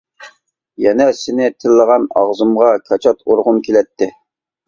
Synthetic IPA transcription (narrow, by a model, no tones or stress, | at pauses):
jɛnɛsɪnɪt̪ʰɪlːəʁɑnɑ̰ʁzɨmʁɑkʰɑt͡ʃʰɑt̪ʰoɾʁʊmkʲʰelɛt̪ʰːɪ